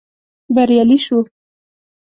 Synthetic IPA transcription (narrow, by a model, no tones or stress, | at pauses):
baɾjaliʃu